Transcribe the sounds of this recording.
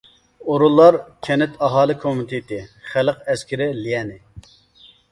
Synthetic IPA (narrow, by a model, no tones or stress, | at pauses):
oɾulˠːɑɾkʲʰɛnɪt̪ʰɑɦɑːlˠɨkʰomɪt̪ʰɪt̪ʰɪχæləqɛskʲɪɾɪlijɛnɪ